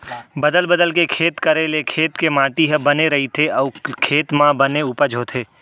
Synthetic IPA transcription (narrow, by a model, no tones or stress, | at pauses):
bɐd̪əlbəd̪əlkekʰeːt̪kɐɾelekʰeːt̪kemãːʈiɦəbɐneɾɐɦit̪ʰeɔːkʰeːt̪mãbɐneuːpəɾd͡ʒʱoːt̪ʰeː